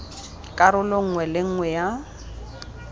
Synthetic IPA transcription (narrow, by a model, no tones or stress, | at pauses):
kʼaɾʊloŋ̩ŋwɛlɪŋ̩ŋwɛja